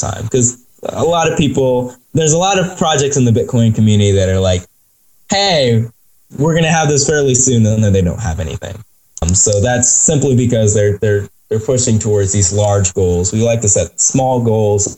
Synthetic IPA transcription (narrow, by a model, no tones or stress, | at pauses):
tʰã̰ɪ̃mkʰʌz | ə̰lɑɾʌv̥pipl̩ˠðə˞zəlɔɾʌv̥pʰɹ̥ɑd͡ʒɛk̚tsɨ̃n̩ðɨbɪt̚kʰɔ̃ɪ̃nkʰmjʉnɨɾiðɨɾə˞laɪk | heɪ | wɪɹɡʌnɨːvðɪsfɛɹlˠisʉ̃nə̃nðɨ̃nðeɪdõʊ̃n̚ɦə̰vɛ̰nḭθɪ̰̃ŋ | msoʊðætsɪ̃mplibɨkʌzðə˞ðə˞ | ðə˞pʰʊʃɪ̃ŋtʰəwɔɹdzðizlɑɹd͡ʒɡoʊlˠzwilaɪk̚tɨsɛt̚smɔlˠɡoʊlˠz̥